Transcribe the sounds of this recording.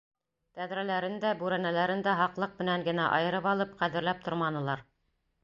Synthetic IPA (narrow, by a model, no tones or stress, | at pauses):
t̪æðɾælæɾɘnd̪æbʉɾænælæɾɘnd̪æɦɑqlˠɤq̚mɘ̆næŋɡɘ̆næʔɑ̰jɤ̆ɾɤpɑlˠɤp̚qæðɘ̆ɾlæp̚t̪ʰŏɾmɑnɤ̆lˠɑɾ